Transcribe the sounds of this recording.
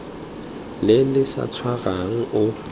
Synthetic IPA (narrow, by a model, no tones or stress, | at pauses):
lɪlɪsa̰t͡sʰwaɣaŋ̩ʊ